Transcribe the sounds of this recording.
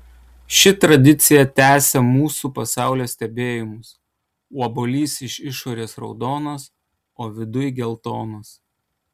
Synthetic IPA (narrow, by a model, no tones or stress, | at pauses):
ʃʲɪt̪ɾɐd̪ʲɪt̪sʲɪjɛt̪ʲæːsʲɛmuːsupɐsɑˑʊlʲoːsʲt̪ʲɛbʲeːjɪmʊs | uɔboːlʲiːsɪʃʲɪʃoːɾʲeːsɾɒ̰ʊd̪oːnɐs | oːʋʲɪd̪ʊjɡʲɛlˠt̪oːnɐs